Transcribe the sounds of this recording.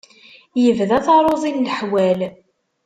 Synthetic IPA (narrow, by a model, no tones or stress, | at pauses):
jəvðæθɑɾˤoðˤinləħwæl